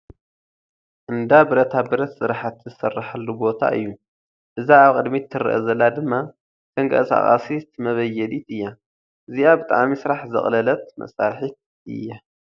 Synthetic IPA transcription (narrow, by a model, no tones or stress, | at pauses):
ʔɨnd̪abɨɾɐt̪ʰabɨɾɐt̪sɨɾħat̪zɨsɐrːaħɐlːubo̞t̪ʰa̰ʔɨ̰jːu | ʔɨzaaβkʼɨd̪mit̪ʰːɨɾɨ̰ʔɐzɐlːad̪ɨmːa | t̪ʰɐŋkʰʼɐ̰sa̰χʼa̰sit̪mɐβɐjːɛlit̪ɨjːa | ʔɨziʔabɨt̪ʼa̰ʕmisɨɾaħzɨ̰χʼlɐlɐt̪̚mɐ̰saɾħit̪ | ɨ̰jːa